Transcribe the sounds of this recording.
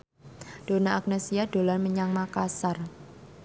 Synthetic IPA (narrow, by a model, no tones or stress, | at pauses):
ɖ̥o̤naʔak̚nesiad̥olanməɲaŋmakasar